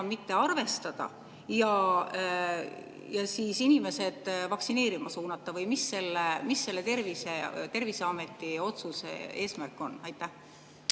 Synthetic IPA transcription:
nmit̪ːe̞ɑrve̞st̪ɑd̪̥ɑ̰ | jɑ | jɑsiːsinime̞se̞d̪̥vɑksine̞ːɾimɑsuːnɑt̪ˑːɑvɤjmisːe̞lːemisːe̞lːe̞t̪e̞rviset̪e̞rvise̞ɑme̞t̪ːˑio̞t̪suse̞̰e̞ːsmærkˑːo̞nɑjt̪ˑːæh

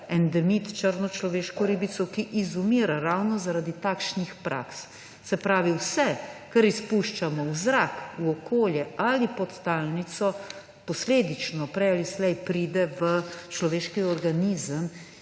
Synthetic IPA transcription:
ɛnd̪ɛmit̪t͡ʃəɾnɔt͡ʃlɔʋeːʃkɔɾibit̪sɔkiʔizumiːɾaɾawnɔzaɾaːd̪it̪akʃnixpɾʔa̰ks | sɛpɾaːʋiwsɛkəɾispuʃt͡ʃamɔwzɾakuɔkoːljɛalipɔt̪t̪alnit̪sɔ | pɔsleːd̪it͡ʃnɔpɾɛjalislɛjpɾiːd̪ɛʋət͡ʃlɔʋeːʃkiɔɾɡaniːzəm

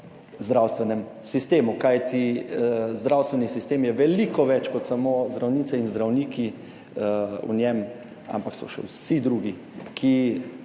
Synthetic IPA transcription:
zd̪ɾawst̪ʋɛnɛm | sist̪eːmukajt̪i | zd̪ɾawst̪ʋɛnisist̪eːmjɛʋɛlikɔʋɛt͡ʃkɔt̪samozd̪ɾawniːsɛinzd̪ɾawniːki | ṵnʲɛm | a̰mpaksɔ̰ʃɛ̰wsid̪ɾuːɡi | kʰi

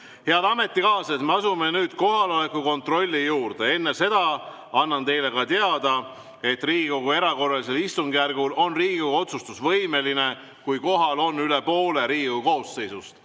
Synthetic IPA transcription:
heɑd̪ɑme̞t̪ːˑikɑːset̪meɑsume̞nyːd̪̥ko̞ɦɑlo̞le̞kːˑuko̞nt̪ro̞lʲːijuːɾd̪̥e̞e̞nːese̞d̪̥ɑ | ɑnːɑnt̪e̞jle̞kɑt̪eɑd̪ɑ | e̞t̪ːriːɡiko̞ɡue̞ɾɑko̞rːɑlis̬e̞list̪uŋɡ̥ijærɡulo̞nriːɡikoɡuo̞t̪sust̪usvɤjme̞line̞ | kujko̞ɦɑlo̞nːylepo̞ːle̞ɾiːɡikuko̞ːsːe̞jsust̪

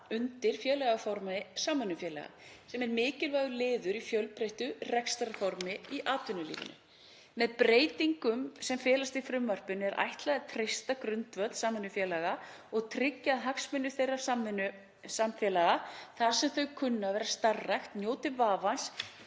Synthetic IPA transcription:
ʏnt̪ɪɾ̥fjɛːlaɣafɔɾmasaːmːʏnːʏfjɛːla̰ɣa̰sɛmɛɾmɪːcɪlvajɣʏlɪːðʏɾifjœlpɾeht̪ʏrɛkst̪aɾfɔɾmɪiʔaːt̪ʏnʏlḭːvɪ̰nʏ̰ | mɛðpɾeːjt̪iŋkʏmsɛmfɛːlast̪ifɾʏmvœr̥pɪnɛɾʔa̰jht̪laɣðat̪ʰɾɪjst̪akɾʏnt̪vœt̪saːmɛnːʏfjɛːlaɣa | ɔɣt̪ʰɾɪcːaðɦaksmʏnːʏθejrḁamnʏ | samfjɛlaɣaθḁsɛmθœɥkʰʏnːavɛːɾast̪arːajxt̪njoːwt̪ɪvaːvans

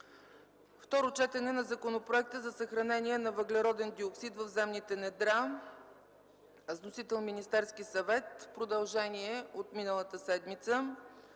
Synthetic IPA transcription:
ft̪ɔɾot͡ʃɛt̪ɛnɛnɐzɐkonopɾoɛk̚t̪əzɐsəxɾɐnɛniɛnɐvəɡlɛɾɔd̪ɛnd̪ioksit̪vəvzɛmnit̪ɛnɛd̪ɾa | znosit̪ɛlˠminist̪ɛɾskisɐvɛt̪pɾod̪ɐlˠʒɛniɛot̪minəlˠət̪əsɛd̪mit̪sə

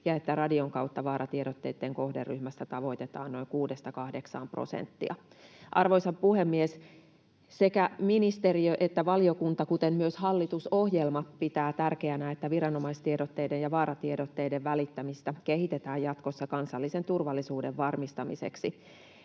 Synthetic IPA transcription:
jɑe̞t̪ːærɑdio̞ŋkɑwt̪ːɑʋɑːɾɑt̪ieɾot̪ːe̞jt̪ːe̞ŋko̞hderːyhmæst̪æt̪ɑʋo̞it̪e̞t̪ɑ̰ːnno̞iŋkuːdest̪ɑkɑhde̞ksɑ̰ːmpro̰sḛnt̪ːḭɑ̰ | ʔɑrʋo̞jsɑppuhemːies | se̞kæminist̪eriøʔet̪ːæʋɑliokunt̪ɑkut̪emmyøshɑlːit̪uso̞hjelmɑpit̪æːt̪ærke̞ænæet̪ːæʋiɾɑno̞mɑist̪iedot̪ːe̞jdejjɑʋɑːɾɑt̪iedot̪ːe̞jdeʋʋælit̪ːæmist̪æke̞hit̪e̞t̪æːjjɑt̪kosːɑkɑnsɑlːise̞nt̪urʋɑlːisuːde̞ʋʋɑrmist̪ɑmise̞̰ksi

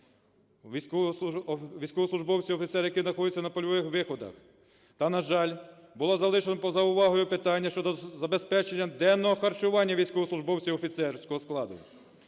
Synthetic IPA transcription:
ʋʲijsʲkɔʋisˠʊʒbɔwt͡sʲiwɔfʲit̪sɛɾjɐkɪznɐxɔd̪ɪt͡sʲːɐnɐpɔlʲɔʋɪxʋɪxɔd̪ɐ̰x | t̪ɐnɐʒɑlʲbʊlˠɔzɐlˠɪʃenɔpɔzɐʊʋɑɦɔjʊpɪt̪ɑnʲːɐʃt͡ʃɔd̪ɔzɐbespɛt͡ʃenʲːɐd̪ɛnːɔɦɔxɐrt͡ʃʊʋɑnʲːɐʋʲijsʲkɔʋɔslˠʊʒbɔwt͡sʲiwɔfʲit̪sɛrsʲkɔɦɔsklˠɑd̪ʊ̰

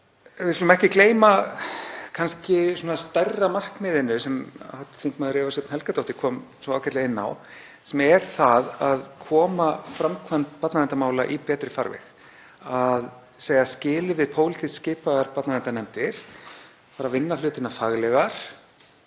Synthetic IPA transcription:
vɪsk̪ʏlʏmɛhcɪkleːjma | kʰanscɪsoːnast̪ɛrːamar̥kmɪːðɪnʏsɛmat̪θiŋk̪maðʏɾɛːvasʏpnhɛlkat̪owht̪ɪkʰɔːmsoaːwcat̪aɣɪnːa̰w | sɛmɛɾ̥θaðaðkʰɔːmafɾamkʰvant̪pat̪naðɛnt̪amaːwlaʔipɛːt̪ɾɪfa̰ɾvɛ̰x | að | seːjɣascɪːlɪvɪðpʰoːwlɪt̪ʰissːcɪːpaðaɾpat̪naðɛnt̪anɛmt̪ɪɾ̥ | paːɾavɪnːalʏːt̪ɪnafaɣlɛɣaɾ̥

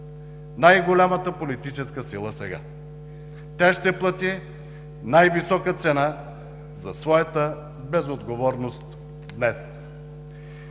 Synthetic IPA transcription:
najɡolʲamət̪əpolit̪it͡ʃɛskəsilˠəsɛɡa̰ | t̪ʲaʃt̪ɛplˠət̪i | najvisɔkət̪sɛna | zɐsvɔjɐt̪ə | bɛzod̪ɡovɔɾnost̪ | d̪nɛs

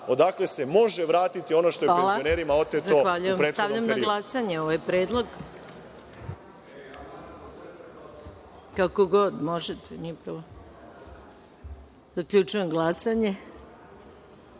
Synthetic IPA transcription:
o̞d̪akle̞semo̞ʒeʋɾaːt̪it̪io̞noʃt̪oealˠajoneɾimaot̪ezaoxʋaʎujemɾest̪aʋʎamnaɡlˠasaɲeoʋajpɾeːd̪lˠo̞ɡ | kakoɡo̞d̪moʒet̪enipɾaʋo | z̥akʎut͡ʃujemɡlˠasaɲe

